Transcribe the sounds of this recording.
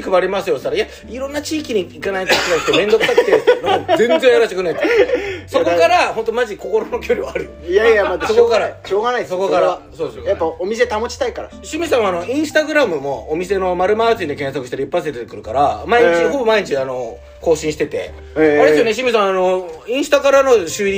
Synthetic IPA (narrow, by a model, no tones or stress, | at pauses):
kɯ̟baɾʲimasɨjo̞saɾaija | iɾõ̞nːat͡ɕiːkʲiɲ̟iːkanaik̪akiaɯt̪ːemẽ̞nd̪okɯsakt̪ːenãozẽ̞nzẽɰ̃jaɾaɕit̪ekɯ̟nːait̪ːsokokaɾahont̪o̞maʑiko̞ko̞ɾono̞kʲo̞ɾʲiβaːɾɯjojaamasokokaɾaɕoːɡanaisokokaɾasoːd̪esjapːaomʲis̬e̞t̪amot͡ɕi̥t̪aikaɾa̰ɕimʲisãɰ̃ano̞ĩɰ̃sɨ̥t̪aɡɯ̟ɾamɯ̟mo̞ːmʲise̞no̞maɾɯ̟maːd͡ʑĩnd̪ekẽ̞ɰ̃sakɯ̟ɕi̥t̪eɾʲipːas̬et̪et̪ekɯ̟ɾɯ̟kaɾamaeɲiit͡ɕinoɦobomaeɲit͡ɕiano̞ | ko̞ːɕĩɕi̥t̪et̪e̞̰ | oɾeejoneɕ̬imis̬ãɰ̃ano̞ĩɰ̃sɨ̥t̪akaɾano̞ɕɨi